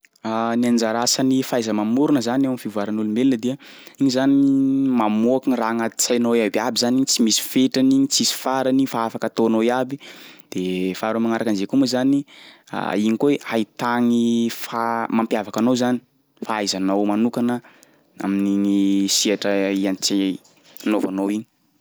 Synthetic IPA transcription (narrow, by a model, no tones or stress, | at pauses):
aniand͡ʒaɾasənifajzəmamuɾunəzanewamifivuaɾanulumbelinəd̪eə | iɲizanimamoakiŋiraːŋat̪i̥t͡sajnowiabiabizanit͡simisi̥feʈ͡ʂaniɲit͡sisi̥faɾanifaafakat̪onoiabid̪̥efaɾomaŋaɾakanzekumezani | a̰iɲikeajt̪aŋifamampjavakanowzani̥ | faajzanowmanukanə | a̰miniŋisiaʈ͡ʂəianit͡se | novanowiɲi̥